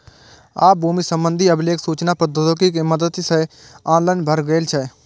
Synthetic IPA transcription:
aːbuːmisəmbə̃nd̪ʱiəbleːksuːt͡ʃnapəd̪ət̪okik̬eməd̪əd̪isɛ | aːnlaːɪnbʱəɾɡeːlt͡ʃʰɛ

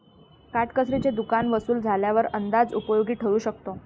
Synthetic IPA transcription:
kaʈkəsɾit͡ɕed̪ukanʋəsuːld͡zʱaljaʋəɾənd̪ad͡zupəjoɡiːʈʰəʋuːɕək̚t̪o

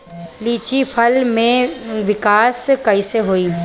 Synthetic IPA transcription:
liːt͡ʃipʰɐlmẽʋɪkaːskɐiseɦoːiː

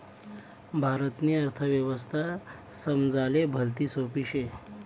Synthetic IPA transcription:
bʱaɾət̪niəɾt̪ʰəʋjəʋəst̪ʰa | səmd͡zalebʱəlt̪iːsopiɕe

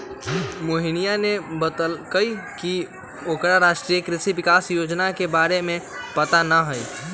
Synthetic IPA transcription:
moːɦɪñijanebəd̪əlkəiki | oːkɾaɾaːʃʈɾijəkɾɪʃiʋɪkaːsjoːd͡ʒnakebaːɾemẽpɐt̪anaɦəi

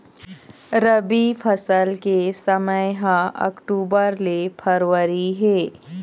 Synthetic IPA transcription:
ɾəbipʰɐsəlkesəməjɦãʔɐ̰kʈuːbəɾlepʰəɾwəɾiɦɛː

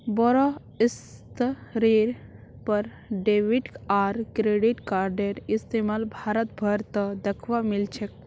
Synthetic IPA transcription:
bɔɾɔ | ist̪ɾiɾ | pəɾ | ɖeʋiʈaɾkɾeɖiʈkaɾɖeɾist̪emalbʱaːɾət̪̚bʱəɾt̪əd̪ekʰʋamilt͡ʃʰek̚

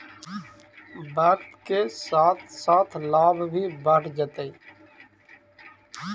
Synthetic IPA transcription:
bəːɾt̪keːsaːt̪saːt̪ʰlaːbbʱiːbəʈd͡ʒət̪eiː

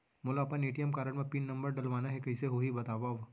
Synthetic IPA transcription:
moːlaːpəneːʈijəmkaːɾəɽmẽpiːnːɐ̃mbəɾɖɐlʋaːnaɦɛkɐɪseɦoːɦibɐt̪aːʋaʋ

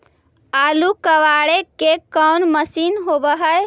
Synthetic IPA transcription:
aːlukəʋaɽekekɔwnməsinɦobəɦəj

